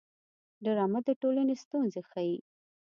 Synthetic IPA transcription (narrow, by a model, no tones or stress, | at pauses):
ɖaɾɑmat̪d̪əʈolanest̪unzexaji